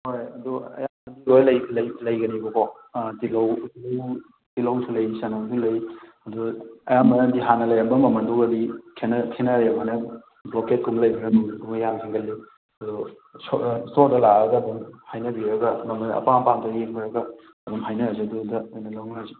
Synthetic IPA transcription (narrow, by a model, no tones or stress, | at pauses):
hojɐduɐ̰jaɐndiɡojlɐjlɐjlɐjɡɐnibɐkʰɔ | tilɐwtilɐw | tilawsʰulɐjsanasulɐjɐduɐjamɐnandiɦanɐlɐjɐmbɐmɐmɐndokɐdikʰenɐkʰenɐɾjɐmanɐ | bloket̚kumlɐjbiɾɐmuɡumjamsʰiŋɡɐlːi | ɐdu | soɾdɐlaɾɐɡɐːdumhajnɐbiɾɐɡɐmɐmɐnɐ̰pampantɐjeŋbɐɾɐɡɐ | ɐbumɦajnɐzedudɐojnɐlawmnazi